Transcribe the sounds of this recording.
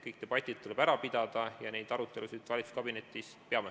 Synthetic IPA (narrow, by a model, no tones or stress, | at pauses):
kɤjk̚t̪e̞b̥ɑt̪ʲːˑid̪̥̚t̪ulɛb̥æɾɑpid̪̥ɑd̪̥ɑjɑnejd̪̥ɑɾut̪ːˑe̞lusid̪̥vɑlʲit̪su̥skɑbine̞t̪ːˑis | peɑme